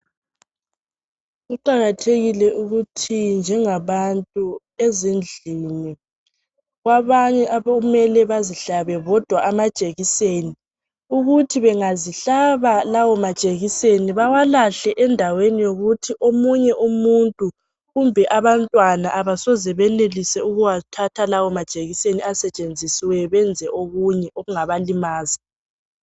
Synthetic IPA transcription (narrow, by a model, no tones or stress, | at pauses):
ɣuǃaɣatʰeɣilɛʔuɣutʰind͡ʒʱɛŋaβantʼu | ezind͡ɮʱini | ɣwaβaɲɛʔaoumɛlɛβaziɬaβɛβɔd̥ʱwaʔamḁt͡ʃʼeɣiseːni | uɣutʰiβɛŋaziɬaβalawɔmad̥t͡ʃʼeɣiseniβawalaɬɛʔɛndʱawenijoɣutʰiʔomuɲɛʔumuntʼu | ɣumbʱɛʔaβantʼwanaʔaβasɔzɛβɛlelisɛuɣuwatʰatʰalawɔmad̥ʒ̥ʼeɣiseniasɛt͡ʃʼend͡zʱisiwɛβɛnd͡zʱɛʔoɣuɲɛʔoɣuŋaβalimaːza